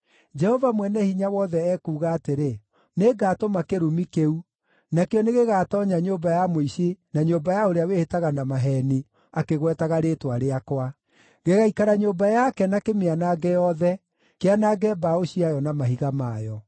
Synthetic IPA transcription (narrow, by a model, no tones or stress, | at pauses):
d͡ʒɛhɔvamwɛnɛhiɲawɔðɛɛkuːɣaːteɾe | neɡaːtomakeɾumikeu | nakeɔneɣeɣatɔɲaɲombajamoiɕenaɲombajaoɾeawehetaɣanamaɦɛni | akeɣwɛtaɣaɾeːtwaɾeakwa | ɣeɣaikaɾaɲombajakɛnakemeanaɡɛjɔðɛ | keanaɡɛbaoɕiajɔnamaɦiɣamajɔ